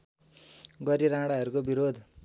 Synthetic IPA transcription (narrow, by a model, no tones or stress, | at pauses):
ɡʌɾiɾãɽaɦʌɾukobiɾod̪ʱ